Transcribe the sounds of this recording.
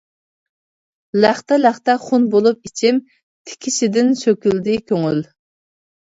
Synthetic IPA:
læχt̪ɛlæχt̪ɛχunbolˠup̚it͡ʃʰɪm | t̪ʰɪ̥kʲʰiʃɪd̪ɪnsøkʲyld̪ɪkʲʰøŋyl

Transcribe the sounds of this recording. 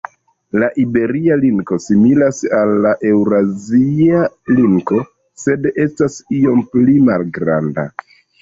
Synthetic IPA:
laʔibe̞ɾialiŋkosimilasalːaʔe̞wɾazialiŋko̞ | se̞de̞stasio̞mplimalɡɾa̰nda̰

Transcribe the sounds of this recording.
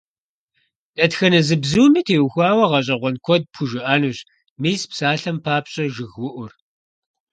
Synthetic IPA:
d̥ɐtxɐnɐzɨbzuːmiːtʰeːwxʷaːwɐʁɐɕ̬ʼɐʁʷɔnkʷʰɔd̚pʰuʒɪʔaːnuːɕ | miːspsaːɬɐmpʰaːpɕʼɐʒɨɣwʊʔʷʊr

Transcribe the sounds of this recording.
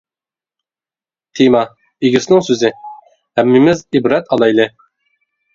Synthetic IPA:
t̪ʰimɑ | iɡʲɪsnɪŋsøzɪ | hæmːɪmɪzibɾɛt̪ʰɑlˠɑjlˠɨ

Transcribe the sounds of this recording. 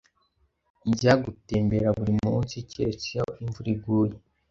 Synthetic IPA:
iɟaɡuteːmbeɾaβuɾimuːnsiceɾet͡sijaoiɱvuɾiɡuːje

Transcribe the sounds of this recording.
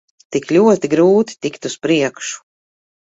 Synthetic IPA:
t̪iklʲuɔt̪iɡɾuːt̪i̥t̪ikt̪uspɾiɛkʃu̥

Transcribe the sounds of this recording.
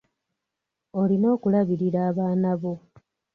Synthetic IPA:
o̞lino̞ːkulaβiɾiɾaːβaːnaβo̞

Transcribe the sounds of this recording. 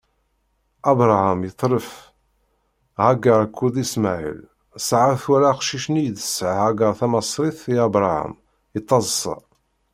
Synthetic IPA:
ɑbɾˤahamjət̪ˤːɾəf | ʁæɡəɾˤkʰːuðˤismaʕḭl | sʕaθwæɾaqʃiʃnijd̪ə̥sʕhæɡəɾˤθæmɑsˤɾiθiæbɾˤaha̰m | it̪ˤːɑzˤsˤɑ̰

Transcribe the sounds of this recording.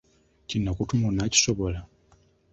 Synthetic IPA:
cinakutumunaci̥soβola

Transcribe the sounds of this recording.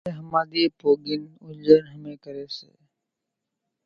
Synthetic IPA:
eɦəmaːd̪ipoːɡɪnʊd͡ʒəɾɦəmẽːkəɾeːsḛː

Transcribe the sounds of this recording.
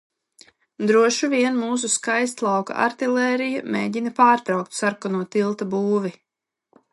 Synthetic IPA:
d̪ɾuɔʃuvʲiɛnmuːs̬uskajs̬t̪lˠɑwka̰ʔa̰ɾt̪ilɛːɾijameːɟinapaːɾt̪ɾawk̚t̪saɾkɔnuɔt̪ilˠt̪abuːvi

